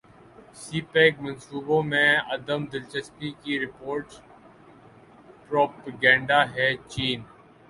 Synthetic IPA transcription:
siːpɛːkmɐ̃nsuːbõmẽɐd̪əmd̪ɪlt͡ʃəspikiɾɪpoːɾʈs | pɾoːpəɡɛ̃ːɳɖaɦɛt͡ʃiːn

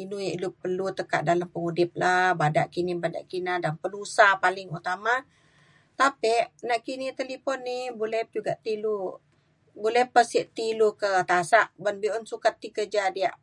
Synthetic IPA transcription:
inujiʔlupərlut̪əka̰ʔ̪̚dalampəŋudɪp̚labada̰ʔkinibada̰ʔkinadanpənusapalɪŋut̪ama | t̪apiʔnaʔkinit̪əlipɔnːɪbolɛhd͡ʒuɡaʔt̪ilu | bolɛhpəsiʔt̪ilukət̪asaʔbənbiɔnsukat̪ːikəd͡ʒadiaʔ

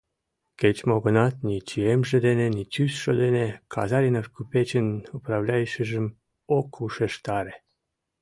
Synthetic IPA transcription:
ket͡ʃmoɡonat̪nʲit͡ʃiemʒed̪enenit͡ʃysʃod̪enekʰa̰zaɾenafkupet͡ʃenupɾawlʲajiʃəʒəm | okʰuʃeʃt̪aɾe

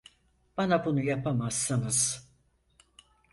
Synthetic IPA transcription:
b̥anabunujapʰamasːɯnɯz̥

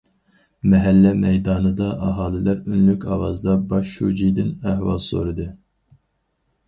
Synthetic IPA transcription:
mɛɦɛlːɛmɛjd̪ɑːnɨd̪ɑʔɑɦɑːlˠɪlæɾynlykʲʰɑwɑzd̪ɑbɑʃʃṵd͡ʒijd̪ɪnæhwɑ̰lˠso̰ɾɨd̪ɨ

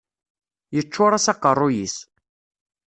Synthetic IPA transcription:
jət͡ʃːʊɾˤasɑqːərˤːʊjis

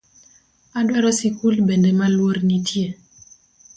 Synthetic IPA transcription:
adwɛɾɔsikulbendemalwoɾnitʰje

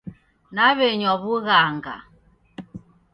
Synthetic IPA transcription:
naβɛɲɔβuɣaŋɡa̰

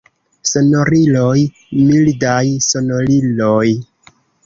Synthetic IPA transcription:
sonoɾiloj | mildajsonoliloj

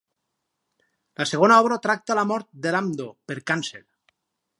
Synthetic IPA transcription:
laseɣ̞onaɔβɾaot̪ɾak̚t̪alamɔɾt̪̚d̪elamd̪opeɾkansel

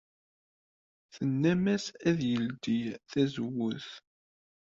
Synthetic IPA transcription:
θənːæmæsæðjəld̪ijθæzəwʊθ

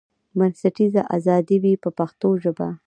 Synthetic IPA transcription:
mansaʈizaʔazɑd̪iwipəpaxt̪oʒəba̰

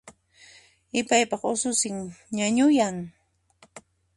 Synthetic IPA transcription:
ɪpajpɑχʊsʊsɪŋɲaɲʊjaŋ

